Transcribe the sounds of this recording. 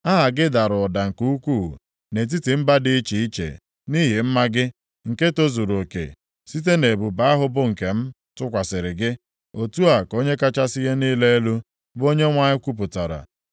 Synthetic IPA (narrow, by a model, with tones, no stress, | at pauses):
a˦ɦa˨ɡɪ˦da˨ɾʊ˨ɔ˨da˨ŋ̩˨ku˦u˦kʷu˦˨ | ne˨t̬i˦ti˨m̩˦ba˦dɪ˦i˦t͡ʃi˨i˦t͡ʃḛ˨ | ni˦ɦi˨m̩˦ma˦ɡɪ˦ | ŋ̩˨ke˦to˦zu˨ɾo˨kḛ˨ | si˦t̬e˦ne˨bu˨ba˦a˦ɦʊ˦bʊ˦ŋ̩˨ke˨m̩˦ | tʊ˦kʷa˨sɪ˨ɾɪ˨ɡɪ˦ | o˨tu˦a˨ko˦ɲe˦ka˦t͡ʃa˦si˦ɦe˦niː˦le˦e˦lu˦ | bo˦ɲe˦ŋʷa˦ɲɪ˦kʷu˦p̬ʊ˨ta˨ɾa̰˨